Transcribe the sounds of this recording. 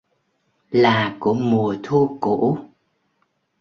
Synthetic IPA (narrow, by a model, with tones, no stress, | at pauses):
laː˨˩ku˧˩əmu˨˩ət̪ʰu˧ko̰˧˨˦